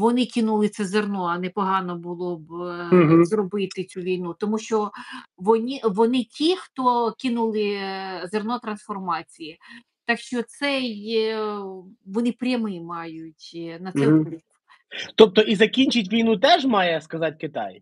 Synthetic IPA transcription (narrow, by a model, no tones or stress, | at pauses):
ʋɔnɪkʲɪnulˠɪt̪sɛzernɔɐnɛpɔɦɑnɔbʊlˠɔb | zrɔbɪt̪ɪt͡sʲuʋʲijnut̪ɔmuʃt͡ʃɔʋɔnʲiʋɔnɪtʲixt̪ɔkʲɪnulˠɪzernɔt̪ɾɐnsfɔrmɑt͡sʲiji | t̪ɑkʃt͡ʃɔt̪sɛj | ʋɔnɪpɾʲɐmɪmɑjʊtʲnɐt̪sɛɔlʲik | t̪ɔp̚t̪ɔʔizɐkʲinʲt͡ʃɪtʲʋʲijnut̪ɛʒmɑjɛskɐzɑt̚ʲkɪt̪ɑ̰j